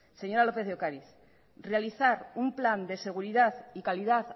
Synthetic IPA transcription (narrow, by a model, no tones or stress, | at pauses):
se̞ɲo̞ɾalo̞pe̞ððokaɾiθ | realiθaɾumpland̪e̞se̞ɣ̞uɾiðaθikaliðaθ